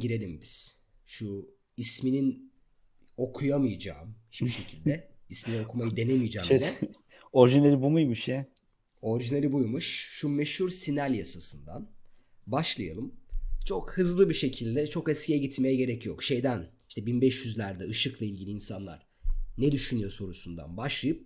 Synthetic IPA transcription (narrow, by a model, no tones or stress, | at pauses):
iɾe̞lʲimbiz̥ | ʃu | isminin | o̞kʰujamɯjad͡ʒa̰ːmhit͡ʃpiʃe̞cʰilʲd̪ɛisminino̞kʰumajɯd̪e̞nemijd͡ʒɛːmd̪ɛ | o̞ɾiʒinelʲibumujmuʃjɛ | o̞ɾiʒinelʲibujmuʃːumeʃhuɾsinælʲjasasɯnd̪a̰n | baʃlˠaja̰lˠɯmt͡ʃʰo̞khɯzlˠɯbiʃe̞cʰilʲd̪ɛt͡ʃʰo̞kɛscʰʲijɛɟit̪me̞jɛɟe̞ɾɛcjo̞kʃe̞jd̪ænhiʃt̪ʰɛbinbɛʃjyzlʲæɾd̪ɛɯʃɯklˠailʲɟʲilʲiːnsanlˠa̰ɾ̥ | nɛd̪yʃynyjo̞so̞ɾusund̪a̰nbaʃlˠajɯp̚